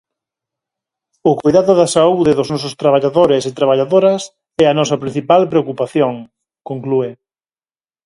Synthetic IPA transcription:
ʊkojðaðʊðɐsauðɪðʊznɔs̬ʊst̪ɾaβ̞aʎaðoɾɪsɪt̪ɾaβ̞aʎaðoɾɐs | ɛɐnɔsɐpɾĩn̟θipalpɾeokupaθjoŋ | koŋklue

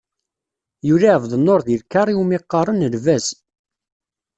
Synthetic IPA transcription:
juɾiʕəvðˤənːoɾðilkːɑɾˤiumiqːɑɾˤənəlvæz

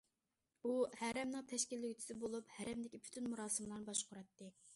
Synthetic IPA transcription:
uhæɾɛmnɨŋt̪ʰɛʃkʲilːɪjyt͡ʃʰi̥sɪbolˠuphæɾɛmd̪ɪkʲipʰy̥t̪ʰynmuɾɑːsɨmlˠɑɾnɨbɑʃqʰʊɾɑt̪ːɨ

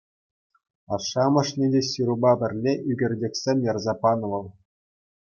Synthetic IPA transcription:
ɑʂːɑmɤ̆ʂnʲedʲeɕiɾubɑbʲɘ̆rʲlʲeʔyɡʲɘ̆rʲdʲekʲsʲemʲjɑrzɑpɑnɤ̆ʋɤ̆lˠ

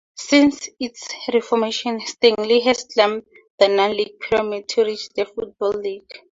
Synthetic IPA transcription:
sĩnsitsɹifɔmeʃɔ̃nstẽŋliɦɛstlãm | dənãnliɡ̥̚pʰiɹɔmid̚tʰuɹit͡ʃd̪əfut̚bɔlːiɡ̥

